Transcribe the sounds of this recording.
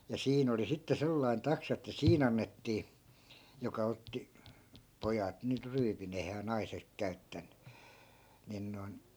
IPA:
jɑ siːn oli sitːe selːɑi̯n tɑksɑ etːæ siːn ɑnːetːiː jokɑ otːi pojɑt nyt ryːpin eihæː nɑisek kæy̞tːænˑy nin noi̯n

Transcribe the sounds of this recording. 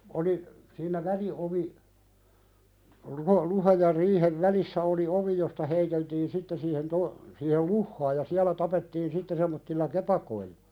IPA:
oli siːnæ ʋælioʋi luhɑ luhɑj jɑ riːheʋ ʋælisːæ oli oʋi jostɑ heiteltiːn sitːe siːhen to siːhel luhːɑːj jɑ siælæ tɑpetːiːn sitːe semˑotːilːɑ kepɑkoilːɑ̥

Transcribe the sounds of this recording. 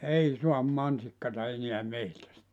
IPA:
ei suɑm mɑnsikːɑtɑ eniæ mehtæstæ

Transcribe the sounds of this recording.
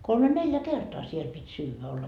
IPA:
kolme neljæ kertoɑ siel pitʲ syːʋæ olːɑ

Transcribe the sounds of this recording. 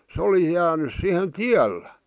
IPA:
se oli jæːnys sihen tiælːæ

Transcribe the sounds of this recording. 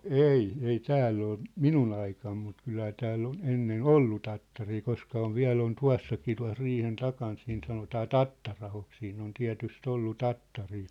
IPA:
no ei ei tæːlː ol minun ɑikɑm mut kylhæ tæːlː on enːen olːu tɑtːɑriː koskɑ oʋ ʋiæ̝l on tuɑ̝s sɑkiː tuɑ̝s riːhen tɑkɑːn siːn sɑnotɑː tɑtːɑrɑhok siːn on tiæ̝tyst olːu tɑtːɑriː

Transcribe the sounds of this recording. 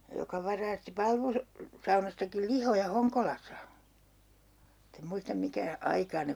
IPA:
jokɑ ʋɑrɑːsti pɑlʋus sɑunɑstɑkil lihojɑ hoŋkolɑsˑɑ mutː em muistɑm mikæ ɑikɑː ne

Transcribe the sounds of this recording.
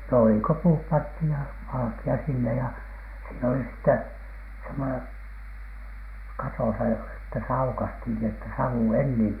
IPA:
no ei ko puːp pɑnthij jɑ ʋɑlɑ̆kiɑ sinːe jɑ siːn oli sĭtːe semːonen kɑtoˑsɑ jɑ etːæ se ɑukɑsthin ni etːæ sɑu enːiːm

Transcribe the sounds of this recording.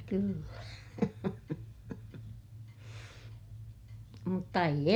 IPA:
kylːæ mutːɑ eij

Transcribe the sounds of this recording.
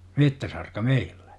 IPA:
metːæsɑrkɑ meill̥æ̥

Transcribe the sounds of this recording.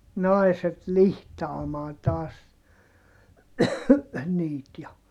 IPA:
nɑi̯set lihtɑːmɑːn tɑːs niːt jɑ

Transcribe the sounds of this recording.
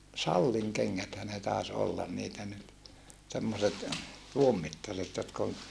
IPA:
sɑlːiŋ keŋːæthæ ne tɑˑes olːɑn niːtæ nyt semːoset tuom mitːɑset jotk on

